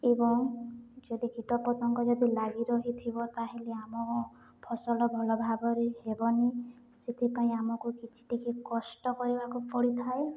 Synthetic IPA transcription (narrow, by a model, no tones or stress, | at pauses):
ebɔŋd͡ʒɔd̪iɡʱiʈɔpɔt̪ɔŋkɔd͡ʒɔd̪ilaɡiɾɔɦit̪ʰibɔt̪aɦeleamɔkɔ | pʰɔsɔlɔbʱɔlɔbʱabɔɾeɦebɔne | set̪ʰipaĩamɔkukit͡ʃʰi̥ʈikekɔsʈɔkɔɾibakupɔɽit̪ʰae